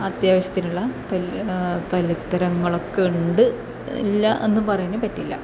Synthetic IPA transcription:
ɐt̪jaːʋɐɕjɐt̪ːinuɭːɐt̪ɐt̪ɐlit̪ːɐɾɐŋːɐɭokːeɳɖɨ | ḭlːɐʔe̞nːɨpɐrɐjunepɐtːilːɐ̰

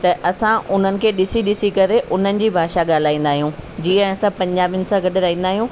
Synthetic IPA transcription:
t̪ɐʔɐsãʔʊn̤ənɪ̆kʰeːɗɪsiɗɪsikɐɾeʔʊn̤ənɪ̆d͡ʑiːbʱaːʃaɠaːl̤aːĩːnd̪aːɦijũd͡ʑiːə̃sãpɐ̃ɲd͡ʑaːbjʊnɪ̆sãɡɐɖʱɪɾaːĩːnd̪aːɦijũː

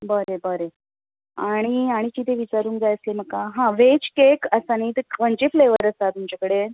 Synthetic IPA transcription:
bəɾebəɾe | aɽ̃iaɽ̃it͡ɕiːt̪ʰeʋit͡ɕaɾuːŋk̚d͡zajəslem̤əkːaɦãʋet͡ɕkekəsaniːt̪eʋə̃ɲt͡ɕefleʋəɾəst̪at̪umt͡ɕakəɽe

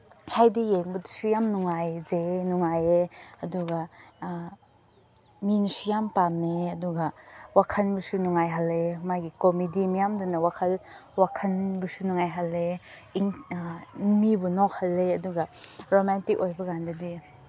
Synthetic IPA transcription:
hajdijeŋbɐdisujamnuŋajzenuŋajeɐduɡa | minisujampamneɐduɡawakʰɐnbusunuŋajɦalemaɡikɔmidimijamdunɐwakʰɐlwakʰɐnbusunuŋajɦalːe | iŋ | ŋmibunɔk̚halːeɐduɡaɾomɛntikojbɐɡandɐdi

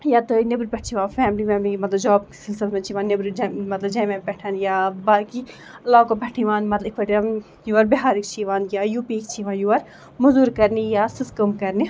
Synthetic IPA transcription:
jat̪ɨnibɾpʲɛʈ̚ʰt͡ʃʰiʋãːnfɛːmlimɛːmlimɐt̪lɐd͡ʒɔːbki̥silsɪlmẽt͡ʃʰiʋaːnnɐbɾid͡ʒmɐt̪lɐbd͡ʒɐ̃ːmɛpɛʈʰɐnjaːbaːki | ɐlːaːkopʲɐʈʰiʋaːnmɐt̪likʰɐʈan | juʋɐɾbeɦaːɾikt͡ʃʰiʋãːnjaːjuːpikt͡ʃʰiʋãːnjuʋɐɾ | mɐzuːɾkɐɾnijaːsɪskɐmkɐɾni

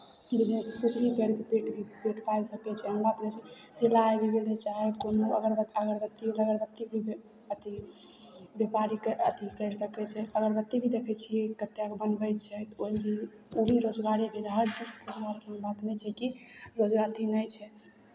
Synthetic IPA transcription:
bid͡ʒneskut͡ʃʰbʱikəɾkepeʈbʱipeʈpajlsəpɛt͡ʃʰɛɦəmbat̪nɛjt͡ʃʰɛsilajbʱibelet͡ʃaɦɛkonoə̰ɡəɾbt̪əɡəɾbət̪ːieləɡəɾbət̪ːibʱib | ət̪i | bepaɾikət̪ikəɾsəkɛt͡ʃʰɛəɡəɾbət̪ːibʱid̪ekʰɛt͡ʃʰiekət̪ːjakebənbɛt͡ʃʰɛt̪oibi | ubʱiɾod͡ʒɡaɾibʱiɾɦəɾt͡ʃid͡ʒkud͡ʒbaɾkmbat̪nɛt͡ʃʰɛkiɾod͡ʒɡat̪inəjt͡ʃʰɛ

